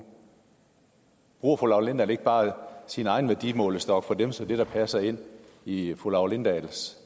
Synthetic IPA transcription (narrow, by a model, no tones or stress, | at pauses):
b̥ʁṵːɐfolɑ̈ʊlend̥æle̝ɡ̥̚b̥ɑ̈ːsinəɑ̈ɪn̩ʋæɐd̥imɔ̰̽ːləsd̥ɒ̽ɡ̥fɒ̽d̥emsɒ̽d̥e̝ɾ̥ɑ̈pʰæsɐe̝n̰ | ifolɑ̈ʊlend̥æls